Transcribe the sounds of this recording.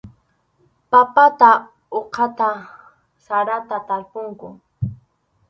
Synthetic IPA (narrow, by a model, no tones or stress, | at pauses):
papat̪a | oqʰɑt̪a | saɾat̪at̪aɾpʊŋkʊ